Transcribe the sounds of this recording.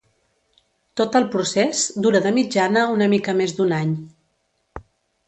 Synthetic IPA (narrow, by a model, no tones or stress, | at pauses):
t̪ot̪əlˠpɾusezd̪uɾəðəmid͡ʒanəunəmikəmezd̪unaɲ